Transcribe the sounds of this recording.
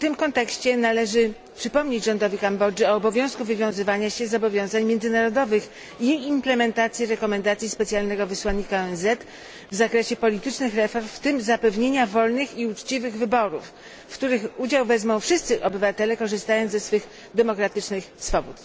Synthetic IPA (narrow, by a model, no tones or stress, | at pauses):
ft̪ɘmkɔnt̪ɛkɕt͡ɕɛnalɛʐɘ | pʂɘpɔmɲed͡ʑʐɔnd̪ɔvʲikambɔɾd͡ʐɛɔːbɔvʲjɔ̃w̃skuvɘvʲjɔ̃w̃zɘvaɲaɕɛzɔbɔvʲjɔ̃w̃zaɲmʲjɛnd̪zɘnaɾɔd̪ɔvɘx | iimplɛmɛnt̪at̪sʲjiɾɛkɔmɛnd̪at̪sʲjispɛt̪sʲjalnɛɡɔvɘswaɲːikaɛnzɛt̪ | vzakɾɛɕɛpɔlʲit̪ɘt͡ʂnɘxɾɛfɔɾmft̪ɘmzapɛvɲeɲavɔlnɘxiut͡ʂt͡ɕivɘɣvɘbɔɾṵf | kt̪uɾɘxud͡ʑawvɛzmɔ̃w̃fʂɘst̪sɘʔɔbɘvat̪ɛlɛkɔʐɘst̪ajɔnd̪zɛsfɘx | d̪ɛmɔkɾat̪ɘt͡ʂnɘxsfɔbut̪